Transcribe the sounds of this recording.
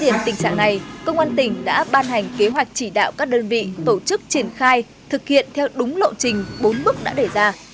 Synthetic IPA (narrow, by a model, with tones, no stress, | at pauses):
zi˧˩ənt̪ï˨˩ŋ̟saː˧˩ŋna˨˩jkə˧wŋ͡mʔaː˧nt̪ï˧˩ŋ̟ɗa̰ː˧˥ɓaː˧nɦa˨˩jŋ̟ke˨˦ɦwa˨˩jk̟̚t͡ɕi˧˩ɗa̰ː˧˨wkaː˦˥k̚ɗəː˧nvḭ˧˨t̪o˧˩t͡ɕɨ˦˥k̚t͡ɕi˧˩ənxaː˧j | t̪ʰɨ˨˩k̚hḭ˧˨ənt̪ʰɛ˧wɗʊ˨˦ŋ͡mlo̰˧˨nt͡ɕï˨˩ŋ̟ɓo˨˦nɓɨ˦˥k̚ɗa̰ː˧˥ɗe˧˩zaː˧